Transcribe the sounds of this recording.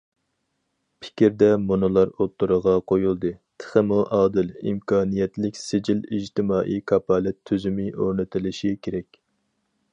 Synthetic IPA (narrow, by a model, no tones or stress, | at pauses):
pʰɪ̥kʲiɾd̪ɛmunɨlˠɑɾot̪ʰːuɾəʁɑqʰojulˠd̪ɨt̪ʰə̥χəmuʔɑːd̪ɪlḭmkʰɑːnijɛt̪lɪkʲsɪd͡ʒilid͡ʒt̪ɪmɑːʔḭkʰɑpʰɑːlɛt̪ʰːyzymɪʔoɾnɨt̪ʰɪlɪʃikʲʰeɾɛkʲ